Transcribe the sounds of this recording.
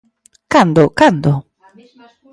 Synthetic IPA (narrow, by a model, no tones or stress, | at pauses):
kand̪okand̪o